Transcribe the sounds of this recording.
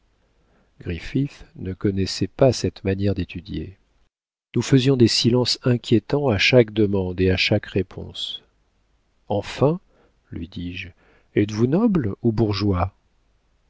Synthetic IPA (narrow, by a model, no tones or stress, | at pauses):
ɡ̥ʁififnəkɔnɛsɛpasɛt̪manjɛʁd̪et̪ʰyd̪jḛ | nufəzjɔ̃d̪esilɑ̃sɛ̃kʲjet̪ɑ̃aʃakd̪əmɑ̃d̪eaʃakʁepʰɔ̰̃s | ɑ̃fɛ̃ | lɥid̪iʒ | ɛt̪vunɔblubuʁʒwa